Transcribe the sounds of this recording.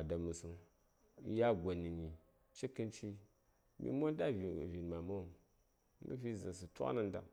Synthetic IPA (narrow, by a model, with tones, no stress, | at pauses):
a˨da˨mu˨su˦ŋ | i˦ja˦ɡʷa˨ni˨ni˨ | t͡ʃi˦kɨ˦nt͡ʃi˦ | mḭ˦mʷo˦n˦da˦˨vi˨n˨ma˨mo˦˨m˦ | mḭ˦vi˦za˨s̬i˨tʷa̰˦na˦nda̰˨m